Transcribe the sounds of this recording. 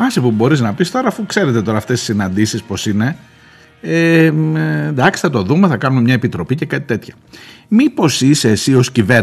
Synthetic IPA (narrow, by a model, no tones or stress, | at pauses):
ɐsipubo̞ɾiznɐpist̪o̞ɾɐːfukse̞ɾet̪e̞t̪o̞ɾɐːft̪esi̥sinɐnd̪isispo̞sine̞ | e | nd̪ɐksi̥θɐt̪o̞ðumeθɐkɐnumemɲɐepit̪ɾo̞pice̞kɐt̪i̥t̪e̞t̪çɐ̥ | mipo̞sisesio̞scive